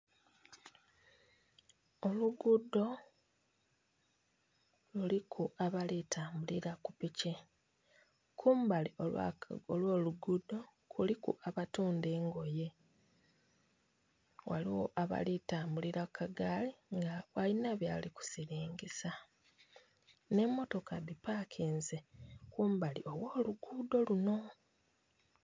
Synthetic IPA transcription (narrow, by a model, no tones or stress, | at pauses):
oluɡudo̞ | lulikʰuaβalitʰaːmbuliɾakupice | kʰuːmbaliola̰olwo̞ːluɡudo̞ | kʰulikṵʔaβatuːnde̞ːŋɡo̞je̞ | wa̰liwo̰ʔaβa̰litaːmbuliɾakʰːaɡaliŋɡawalinaβjaːliku̥siɾiːŋɟisa | ne̞mːo̞to̞kadipakʰiːnzekuːmbaliʔo̞wo̞ːluɡudo̞luno̞